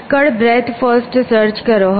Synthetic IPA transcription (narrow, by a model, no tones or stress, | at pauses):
kəɽbɾet̪ʰfəsʈsəɾt͡ʃkəɾoɦ